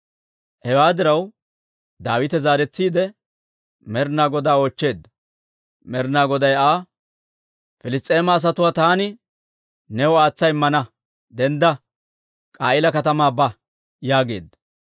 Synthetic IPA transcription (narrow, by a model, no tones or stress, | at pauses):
hɛwaːd̪ɪɾɐw | d̪aːwɪt̪ɛzaːɾɛt͡sːiːd̪ɛ | mɛɾnaːɡɔd̪aːoːt͡ʃːe̞ːd̪ːɐ | mɛɾnaːɡɔd̪ɐjaː | fɪlɪs̬t̪ʼːe̞ːmɐːs̬ɐt̪ʊwaːt̪aːnɪ | nɛwɔaːt͡sːɐjmːɐnɐ | d̪ɛnd̪ɐ | kʼaːʔɪlɐkɐt̪ɐmaːbɐ | jaːɡe̞̰ːd̪ːɐ